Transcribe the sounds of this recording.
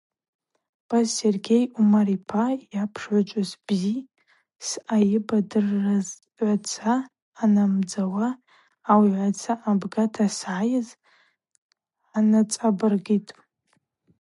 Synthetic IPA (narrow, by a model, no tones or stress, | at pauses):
b̥azserɡʲejumaɾipʰajapʰʂʕʷat͡ʃʷʼazbzi | sajɪbadɨrːaz | ʕʷat͡sʰaː | namd͡zawaː | wiʕʷat͡sʰaʔabɡatʰasʕajɪz | anat͡sʼabɨrɡitʼ